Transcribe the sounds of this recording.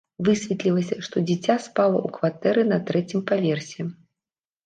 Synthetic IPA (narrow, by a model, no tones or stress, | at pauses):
vɨsʲvʲɛt̪lʲilˠɐsʲɐʂt̪ɔd͡zʲit͡sʲaspalˠɐ̰ʔukvat̪ɛɾɨnɐt̪ɾɛt͡sʲimpavʲɛrsʲɛ